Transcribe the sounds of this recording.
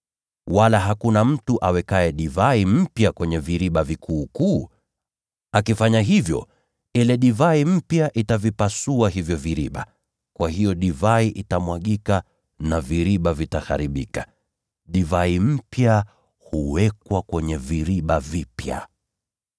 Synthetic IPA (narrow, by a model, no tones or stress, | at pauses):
walaɦakunam̩tuʔawɛkaɛɗivaim̩pjakwɛɲɛviɾiɓavikʰuːkuː | akifaɲaɦivjɔ̰ | ilɛɗivaim̩pjaʔitavipasuaɦivjɔviɾiɓa | kwahijɔɗivaiʔitamwaɠika | naviɾiɓavitaxa̰ɾiɓika | ɗivaim̩pja | huwɛkwakwɛɲɛviɾiɓavipja̰